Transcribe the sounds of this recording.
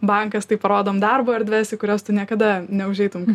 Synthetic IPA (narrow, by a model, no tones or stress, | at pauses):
bɐŋkɐst̪ɐɪpɐɾoːd̪oːmd̪ɐrboːɐɾʲdʲʋʲæːsʲɪkʊɾʲoːst̪ʊnʲiɛkɐd̪ɐnʲɛʊʒʲɛɪt̪ʊmk